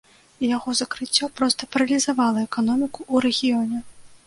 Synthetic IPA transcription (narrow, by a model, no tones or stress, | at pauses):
jaɣɔzɐkɾɨt͡sʲːɔpɾɔst̪ɐpɐɾɐlʲizavalˠɐɛkanɔmʲikuʔuɾɛɣʲijɔnʲɛ